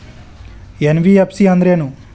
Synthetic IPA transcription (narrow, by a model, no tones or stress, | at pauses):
enʋiepsiɐnd̪ɾeːnu